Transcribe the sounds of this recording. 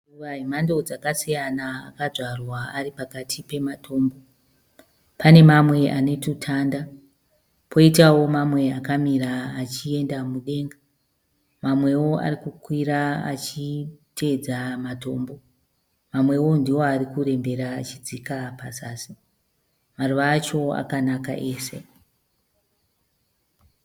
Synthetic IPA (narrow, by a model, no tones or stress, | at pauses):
uʋaɦimando̞d͡zakasijana̰ːkad͡zarwaaripakatʰipe̞matʰo̞ːmbo̞ | pane̞mamwe̞ʔane̞tutʰaːnda | pʰo̞itawo̞mamwe̞akamiɾaːt͡ʃie̞ndamuɗe̞ŋɡa | mamwe̞wo̞a̰rikukwiɾaa̰t͡ʃitʰe̞d͡zamato̞ːmbo̞ | mamwe̞wo̞ndiwo̞arikure̞mbe̞ɾaːt͡ʃid͡zikapazasi | maruʋaːt͡ʃo̞a̰kanaka̰ʔe̞ːse̞